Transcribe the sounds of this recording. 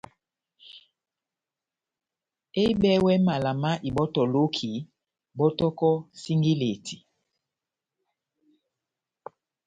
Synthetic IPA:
e˦bɛ˦wɛ˦ma˨la˨ma˦ʔi˨bɔ˦tɔ˨lo˦kʰi˨ | bɔ˦tɔ˦kɔ˦si˦ŋɡi˦le˨tʰi̥˨

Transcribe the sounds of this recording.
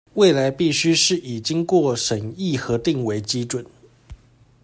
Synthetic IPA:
we˥˩ɪla˧˥ɪpi˥˩ɕy˥ʂɻ̩˥˩ʔi˨˩t͡ɕi˥ŋkwɔ˥˩ʂə˨˩ni˥˩xɤ˧˥t̪i˥˩ŋwe˧˥ɪt͡ɕi˥ʈ͡ʂwə˨˩˦n

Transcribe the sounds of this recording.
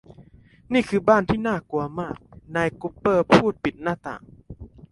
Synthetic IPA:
niː˥˩kʰɯː˧baː˥˩nt̪ʰiː˥˩naː˥˩ku˧˩ɐmaː˥˩k̚naː˧jku˦˥pːɤː˥˩pʰuː˥˩t̪̚pi˨˩t̪̚naː˥˩t̪a̰ː˨˩ŋ

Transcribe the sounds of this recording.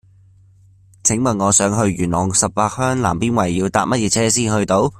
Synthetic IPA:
t͡sʰɪ˨˥ŋmɐ˨nŋɔː˨˧sœː˨˥ŋɦɵ˧ɥjyː˨˩nlɔː˨ŋsɐ˨p̚paː˧k̚hœː˥ŋla̰ː˨˩mpiː˥nwɐ˨˩jːiː˧wt̪aː˧p̚mɐ˥t̚jɛː˧t͡sʰɛː˥s̬iː˥nɦɵ˧ɥt̪o˨˧˥w

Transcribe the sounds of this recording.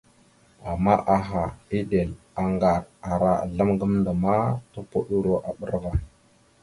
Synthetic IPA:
a˨mːa˦ʔa˨ɦa˨i˦de˨l | a˨ŋɡa˨ɾa˨ɾa˦a̰˨ɮa˦mɡə˦mndə˨ma˦to˦po˦ɗu˦ɾo˦ʔa˨ɓə̰˦ɾva˦

